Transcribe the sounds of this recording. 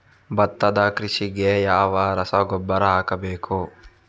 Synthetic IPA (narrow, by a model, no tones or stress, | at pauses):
bɐt̪ːɐd̪ɐkɾiʃiɡejaːʋɐɾɐsɐɡɔbːɐɾɐɦaːkɐbeːku